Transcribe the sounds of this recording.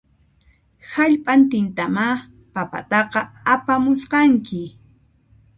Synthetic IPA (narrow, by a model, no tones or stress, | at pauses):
haʎpʼant̪ɪnt̪ama | papa̰t̪ɑqɑapamʊsqɑŋkɪ